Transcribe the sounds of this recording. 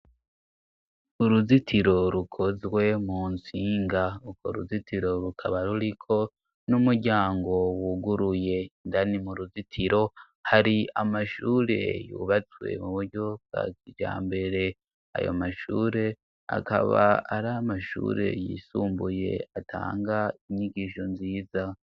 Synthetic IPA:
uɾuzitiɾo̞ɾukʰozwe̞muːnsiːŋɡaukʰo̰ɾṵzitʰiɾo̞ɾukʰaβaɾuɾikʰo̞ | numuɾɟaːŋɡo̞wuɡuɾuje̞ndanimuɾuzitʰiɾo̞ | haɾiamaʃuɾe̞̰jṵβat͡swe̞̰muβuɾɟo̞b̚ɡa̰ːkid͡ʒa̰ːmbe̞ɾe̞ | a̰jo̰maʃuːɾe̞ | a̰ka̰βaːɾamaʃṵːɾe̞̰jḭsuːmbuje̞̰atʰa̰ːŋɡaiɲiɡiʃonziːza

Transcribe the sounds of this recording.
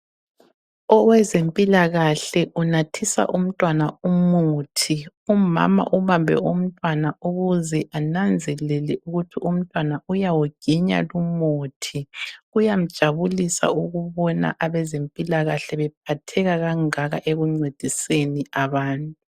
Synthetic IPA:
ɔwɛzempʼilaɣaɬɛʔunatʰisa̰ʔum̩tʼwanaumutʰi | uma̰ma̰ʔuβambʱɛ̰um̩tʼwanauɣuzɛʔanand͡zʱɛlɛlɛʔuɣutʰiʔum̩tʼwanaujawoɡ̥ʱiɲa̰lumotʰiɣujam̩d̥ʒ̥ʱaβulisa̰uɣuβɔna̰ʔaβɛzempʼilaɣaɬɛβɛp̚ʰatʰɛɣaɣaŋaɣa̰ʔeɣuŋ͡ǀed̥ʱiseniaβaːntʼu

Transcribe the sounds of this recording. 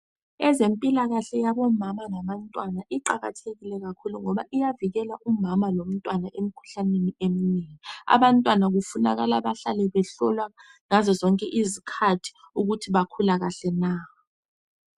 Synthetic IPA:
ɛzempʼilaɣ̬aɬɛjaɓɔmamaŋaɓantʼwanaʔiǃaɣa̰tʰeɣilɛk̬akʰuluŋɔɓaʔijaviɣ̬ɛlaʔumamalom̩tʼwanaʔem̩kʰu̥ɬaneniem̩niŋia̰ɓantʼwanak̬ufuna̰k̬alaɓaɬalɛɓɛɬɔlwaŋazɔzɔŋkʼɛʔizikʰatʰi̥ | uɣ̬utʰiɓakʰulaɣ̬aɬɛna

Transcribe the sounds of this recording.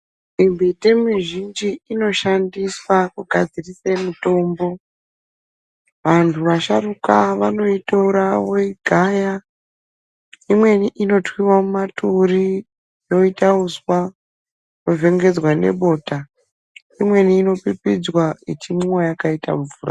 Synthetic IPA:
imbetemiʒind͡ʒiino̞ʃandiswakuɡʱad͡zirisemuto̞mbo̞ | ʋantʰuʋaʃarukaʋano̞itouɾawoiɡʱaja | imwe̞niʔino̞twiwamumaturi | jo̞itauswa | jove̞ŋɡe̞d͡zwane̞̰ɓo̞ːta | imwe̞niːno̞pipid͡zwaitimuwajakaita̰ɱvuːra

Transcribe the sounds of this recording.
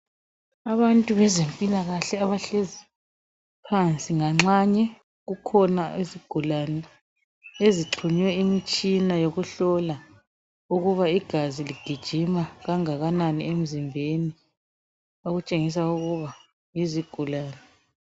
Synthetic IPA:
aβantʼuβɛzempʼilaɣaɬɛaβaɬezi | pʰant͡sʼiŋaŋ͡ǁaɲɛ | ɣukʰɔnaiziɡ̥ʱulanɛ | eziǁʰuɲwɛimit͡ʃʼinajoɣuɬɔla | uɣuβaiɡ̥ʱaziliɡ̥ʱid̥ʒ̥ʱimaɣaŋaɣananiem̩zimbʱeni | oɣut͡ʃʼeŋis̬auɣuβa | jiziɡ̥ʱulaːnɛ

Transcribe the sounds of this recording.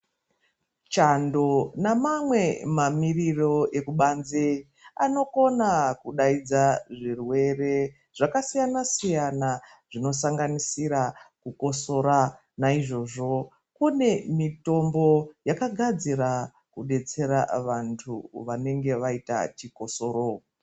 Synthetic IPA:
t͡ʃando̞namamwe̞mamiriro̞e̞kuɓanze | a̰no̞ko̞nakuɗaid͡zaʐirwe̞re̞ | ʐ̥akasijanasijana | ʐ̥ino̞saŋɡanisiɾakuko̞so̞ɾa | naiʐo̞ʐo̞ | kune̞mito̞mbo̞jakaɡʱad͡ziɾa | kuɗe̞t͡se̞ɾa̰ʋantʰṵʋane̞ŋɡe̞ʋaita̰t͡ʃiko̞so̞ɾo

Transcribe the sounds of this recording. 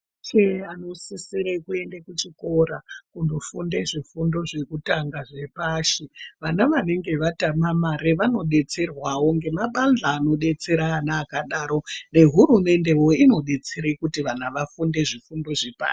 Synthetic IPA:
t͡ʃeano̞sisiɾekue̞ndekut͡ʃiko̞ɾakundofunde̞ʐifundo̞ʐe̞kutaŋɡaʐe̞paʃeʋanaʋane̞ŋɡe̞ʋatamamaɾeʋano̞ɗe̞t͡se̞rwawoŋɡe̞maɓand͡ɮaːno̞ɗe̞t͡se̞ɾaːnaːkaɗaɾo̞ne̞ɦuɾume̞nde̞wo̞ino̞ɗe̞t͡seɾekutiʋanaʋafunde̞ʐifundo̞ʐepa̰ːʃ

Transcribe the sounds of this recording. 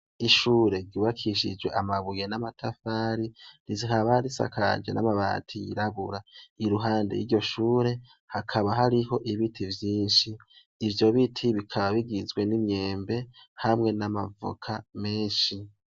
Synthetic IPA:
iʃuːɾe̞ɾɟuβakʰiʃḭd͡ʒwe̞̰ʔamaβujenamatʰafaɾiɾiziɦaβaɾisa̰kʰa̰d͡ʒe̞̰nʔa̰maβa̰ːtʰijḭɾaβuɾaiɾuɦaːndḛʔḭɾɟo̞ʃuːɾe̞ | hakʰaβaɦaɾiɦo̞ʔiβitʰivjiːnʃiː | vjo̞βitʰiβikʰaβaβiɡizɡwe̞nimɲe̞ːmbe̞hamŋe̞nama̰vṵkʰame̞ːnʃi

